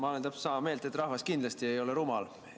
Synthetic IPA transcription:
mɑlend̪ɑpsɑmɑme̞ːlt̪e̞t̪ːˑrɑhvɑskind̪lɑst̪ie̞jo̞leɾumɑl

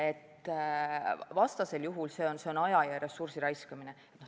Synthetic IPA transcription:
e̞t̪ːˑ | vɑst̪ɑse̞ljuɦulse̞ːonse̞o̞nɑjɑjɑresursiɾɑjskɑmineet̪no

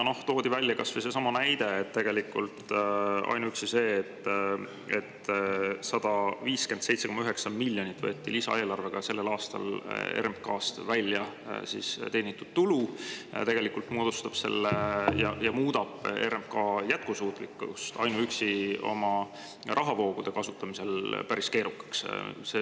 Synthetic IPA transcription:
no̞ht̪o̞ːd̪̥ivælʲːjɑkɑsvəjs̬e̞sɑmɑnæjd̪e̞et̪ːe̞ɡ̥e̞likːult̪ɑ̰jnuyksise̞ːt̪ː | et̪ː | sɑd̪̥ɑviːske̞nd̪̥sejt̪seo̞mːɑyɦe̞ksɑmilʲːjo̞nit̪ːvɤːt̪ːilisɑ̰e̞ːlɑrve̞ɡ̥ɑse̞lːe̞lɑːst̪ɑ̰lḛɾemkɑːst̪vælʲːjɑsḭːst̪e̞ːnit̪ːˑud̪̥̚t̪ulut̪e̞ɡ̥e̞likult̪moːd̪̥ust̪ɑb̥se̞̰lːejɑjɑmuːd̪ɑb̥e̞ɾemkɑːjæt̪̚kusuːt̪ˑlikːˑust̪ɑjnuyksio̞̰mɑ | rʔɑɦɑvo̞ːɡ̥ud̪̥e̞kɑsut̪ːˑɑmise̞lpæɾiske̞ːɾukːɑ̥ksse

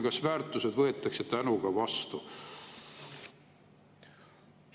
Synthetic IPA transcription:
kɑsvæːrt̪ːˑuse̞d̪vɤe̞t̪ːˑɑkset̪ænuɡ̥ɑvɑst̪u

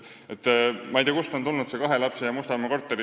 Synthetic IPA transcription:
et̪ːˑmɑejd̪ʲiɑkust̪o̞nt̪ulnudt̪sekɑɦe̞lɑpsejɑmust̪ɑmeko̞rt̪ːˑeɾi

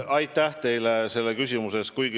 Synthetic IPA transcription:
ɑjt̪æht̪e̞jlese̞lːekysʲimuse̞s̚kujɡi

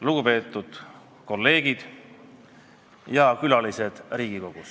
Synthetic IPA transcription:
luɡ̥upe̞ːt̪ːˑud̪̥ | ko̞lːe̞ːɡ̥id̪̥ | jɑkylɑlise̞d̪̥riːɡ̥iko̞ɡ̥us

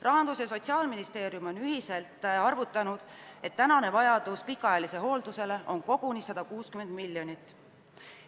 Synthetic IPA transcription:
rɑɦɑnd̪usjɑs̬o̞t̪ʲsiɑːlminist̪e̞ːɾjumo̞nyɦise̞lt̪ˑɑrvut̪ːˑɑnud̪̥e̞t̪ːænɑne̞vɑjɑd̪̥uspikːˑɑɑjɑliseɦo̞ːld̪use̞le̞ʔonko̞ɡ̥unisɑd̪̥ɑkuːskyme̞nd̪̥milːjo̞nʲit̪ːˑ

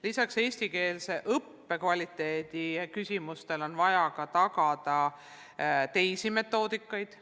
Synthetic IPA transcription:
lisɑkse̞ːsʲt̪ike̞ːlse̞ʔɤpːe̞kvɑlʲit̪ːe̞ːd̪̥ikysʲimust̪e̞lo̞nvɑjɑkɑt̪ɑkɑd̪ɑ | t̪e̞jsime̞t̪ːˑo̞ːd̪̥ikːˑɑjd̪̥

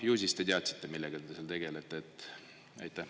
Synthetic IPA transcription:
juːsʲist̪e̞t̪eɑt̪si̥t̪ˑːe̞milːɛɡ̥ɑt̪et̪eseɑlt̪e̞ɡ̥e̞let̪ˑːeːt̪ːˑ | ɑ̰jt̪ːˑæh

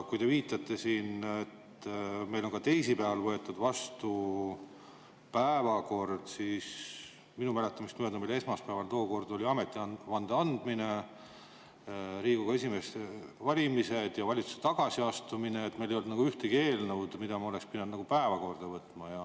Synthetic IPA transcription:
kujt̪e̞viːt̪ːˑɑt̪ˑːe̞siːnet̪me̞jlo̞nŋkɑt̪e̞jsipæɑɑlvɤe̞t̪ːˑud̪vɑst̪u | pæevɑko̞rd̪̥siːs | minumæle̞t̪ːˑɑmist̪mød̪ɑmile̞smɑspæevɑlt̪o̞ːko̞rd̪̥o̞lʲiɑme̞t̪ːˑiɑɑnd̪̥eɑnd̪̥mine̞ | ɾiːɡ̥uɡɑesime̞st̪evɑlʲimise̞d̪̥jɑvɑlʲit̪su̥set̪ɑɡ̥ɑsiɑst̪umineet̪ːmejlejold̪nɑɡ̥uyht̪eɡie̞ːlnəwd̪mid̪ɑmɑo̞lekspinːed̪nɑɡupæevɑko̞rd̪̥ɑvɤt̪ːˑmɑjɑ

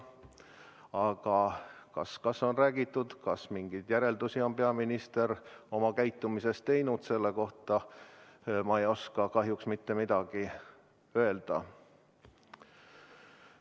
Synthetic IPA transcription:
ɑɡ̥ɑkɑ̰skɑsːo̞nræːɡ̥it̪ːˑud̪̥kɑsmiŋɡ̥id̪̥jæɾe̞ld̪usio̞npe̞ɑminist̪e̞ɾo̞mɑkæjt̪ːˑumise̞st̪e̞jnud̪̥se̞lːe̞ko̞ht̪ɑ | mɑejo̞skɑkɑɦjuksmit̪ːe̞mid̪̥ɑɡ̥i | ø̞e̞ld̪̥ɑ

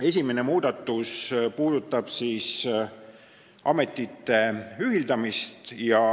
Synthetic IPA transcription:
e̞s̬ʲimenemuːd̪̥ɑt̪ːˑuspuːd̪̥ut̪ːˑɑb̥siːs | ʔɑ̰me̞t̪ːˑit̪ːe̞yɦild̪ɑmist̪jɑ

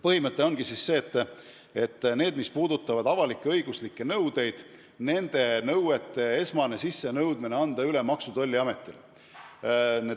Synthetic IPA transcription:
pɤhimɤt̪ːˑe̞o̞nɡ̥isisːe̞ːt̪ːˑ | e̞t̪ːˑne̞ːd̪̥mispuːd̪ut̪ːˑɑvɑd̪ɑvɑlikːˑeɤjɡuslikːe̞nɤwd̪̥e̞jd̪̥ | ne̞nd̪̥e̞nɤwet̪ːˑe̞e̞smɑne̞sisːe̞nɤwd̪mine̞ɑnd̪ɑylemɑksud̪̥o̞lʲːiɑme̞t̪ːˑile | ne

